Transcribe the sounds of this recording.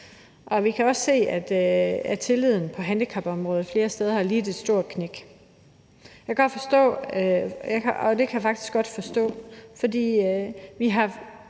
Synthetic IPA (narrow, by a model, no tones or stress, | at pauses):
ʔɒ̽ʋikʰæɒ̽sse̝̰ːæd̥æt͡sʰe̝lið̰ˠn̩pʰɒ̽ɦændikʰɑ̈b̥ɒ̽mʁɔːð̞ˠfle̝ːɐsd̥eːð̞ˠɐhɑliːd̥e̝̥sd̥o̝ɐ̰kʰneɡ̥ | jɑɪɡ̥ɒ̥̽fɒ̽sd̥ɔ̰̽ː | jkʰɒ̽d̥e̝kʰæjafɑ̈ɡ̥d̥i̥sɡ̥ɒ̽d̥fɒ̽sd̥ɔ̰ːfɒ̽dḭːʋiɦɑ̈